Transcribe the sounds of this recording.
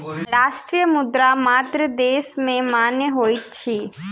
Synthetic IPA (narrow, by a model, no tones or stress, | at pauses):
ɾaːʃʈɾiːjəmʊd̪ɾamaːt̪ɾəd̪eːsmẽmaːnjəɦoːit̪̚t͡ʃʰiː